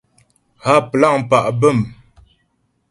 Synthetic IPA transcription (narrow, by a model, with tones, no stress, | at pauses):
ha˦pə˨la˦˨ʔm̩˨pa˨ʔbə˦˨m